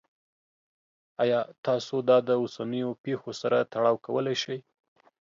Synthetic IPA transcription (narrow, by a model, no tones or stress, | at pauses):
ɑjɑt̪ɑsod̪ɑd̪əosanəjopexosaɾat̪aɽɑwkawəlajʃaj